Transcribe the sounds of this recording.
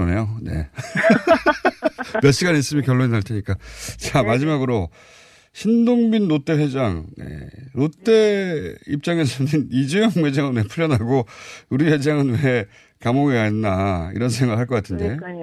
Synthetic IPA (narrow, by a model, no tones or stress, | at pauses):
ʌne̞jone̞̰ | mjʌɕ͈iɡanis͈ɯmikjʌɭːoɲinaɭtʰe̞ɲik͈at͡ɕamad͡ʑimaɡɯɾo | ɕʰindoŋbinːot͈e̞ɸwe̞d͡ʑaŋnḛɾot͈e̞ḭp̚t͡ɕ͈aŋe̞sʰʌnɯnid͡ʑujʌŋwe̞d͡ʑaŋɯnwe̞pʰuʎːjʌnɦaɡouɾiwe̞d͡ʑaŋɯnwe | kamoŋiaenːaḭɾʌnsʰe̞ŋɡaɯɭɦaɭkʌk͈atʰɯnde̞